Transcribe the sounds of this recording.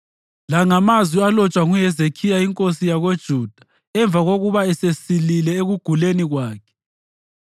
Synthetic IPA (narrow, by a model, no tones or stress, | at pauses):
laŋamazwialɔt͡ʃʼwaɣujɛzekʰijaiŋkʼosijaɣod̥ʒ̥ʱud̥ʱḁ | ɛɱb̪vʱaɣoɣuβaɛsesililɛeɣuɡ̥ʱuleniɣwaːkʰɛ̥